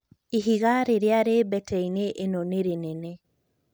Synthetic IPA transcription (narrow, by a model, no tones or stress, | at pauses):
iɦiɣaɾeɾeaɾebɛtʰɛineʔːnɔneɾenɛnɛ